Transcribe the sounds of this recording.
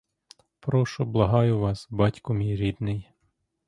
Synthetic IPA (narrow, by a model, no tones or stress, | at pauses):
pɾɔʃʊblˠɐɦɑjʊʋɑsbɑtʲkʊmʲijɾʲid̪nɪj